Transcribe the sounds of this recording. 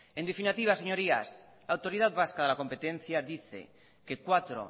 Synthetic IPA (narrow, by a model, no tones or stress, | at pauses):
e̞nd̪efinat̪iβ̞ase̞ɲoɾias | laːwt̪o̞ɾiðaðβaskaðelako̞mpet̪ẽ̞n̟θjaðiθe̞̰ | kekwat̪ɾo̰